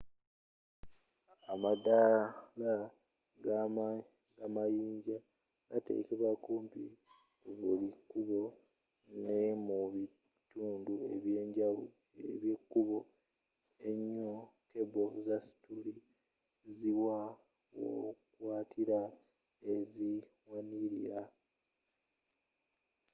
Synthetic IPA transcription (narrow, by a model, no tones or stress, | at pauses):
amadala | ɡa | ɡamajiːɲɟa | ɡ̥atḛːkeβakuːmpi | βulikːuβo̞ | nemuβi | tuːndueβjeɟa | eβjekːuβo̞ | e̞ɲːoke̞bo̞zasi̥tuɾi | ziwa | wo̰kwaːtʰiɾa | ezi | waniɾḭɾa